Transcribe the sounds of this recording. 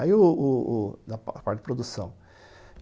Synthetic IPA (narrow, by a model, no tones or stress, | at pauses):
aiʊːd̪ɐppaɾt͡ʃɪd͡ʒɪpɾod̪usɐ̃w̃